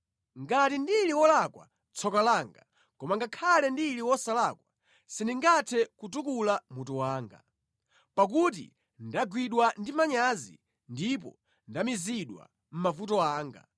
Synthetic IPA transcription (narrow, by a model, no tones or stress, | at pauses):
ŋɡatindiliwɔlakwa̰ | t͡sʰɔkalaːŋɡa | kɔmaŋɡakʰalɛndiliwɔsalakwa | siniŋɡatʰɛkut̬ukulamutuwaːŋɡa̰ | pak̬ut̬ḭ | ndaɡwiɗwandimaɲazḭ | ndip̬ɔ̰ | ndamiziɗwa̰ | m̩mavut̬ɔaːŋɡa̰